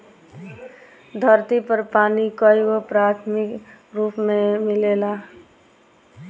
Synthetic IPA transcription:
d̪ʱəɾt̪ipəɾpaːnikəiɡopɾat̪ʰmɪkɾuːpmemɪlela

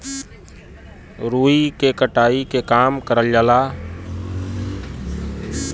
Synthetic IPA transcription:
ɾuːikekəʈaːikekaːmkəɾəljəlaː

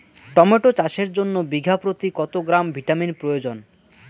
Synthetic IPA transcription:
ʈɔmeʈot͡ɕaʃeɾd͡ʑonːobiɡʱapɾot̪ikɔt̪oɡɾambʱiʈaminpɾojod͡ʑon

